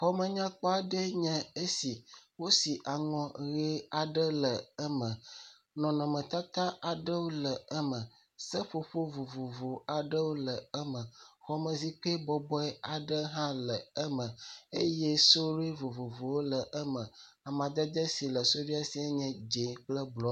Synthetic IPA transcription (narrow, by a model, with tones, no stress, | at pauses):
ɸɔ˦mə̃˦ɲã˦k͡pɔ˦a˨ɖɛ˦ɲɛ̃˨e˦si˨wo˦si˨ʔa˨ŋɔ̃˨ɣe˦a˨ɖə˦lə˨ɛ˦mə̃˨ | nɔ̃˨nɔ̃˨mə̃˨t̪a˦t̪ã˦a˨ɖə˦wo˦lə˨ɛ˦mə̃˨ | sə˦ɸo˨ɸo˦vo˨vo˨vo˨a˨ɖə˦wo˦lə˨ɛ˦mə̃˨xɔ˦mə̃˨zi˦k͡pe˦bɔ˦bɔ˦ɛ˦a˨ɖə˦ɦã˦lə˨ɛ˦mə̃˨e˦jɛ˦so˦ɾe˦vo˨vo˨vo˨wo˦lə˨ʔɛ˦mə̃˨ | a˨mã˨d̪ɛ˦d̪ə˦si˨lə˨so˦vi˦a˦si˦a˦ɲɛ̃˦d͡ʒe˨˦k͡plə˦blɔ˦